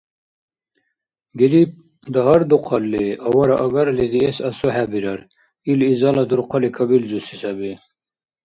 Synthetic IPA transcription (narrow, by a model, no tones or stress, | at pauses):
ɡiɾip̚ | d̪ɐɦɐɾd̪uqʰɐlːiʔɐwɐɾaʔɐɡɐɾled̪iesɐsoɦæbiɾɐɾ | ilizɑlɐd̪uɾqʰɐlikʰɐbilzusisɐbi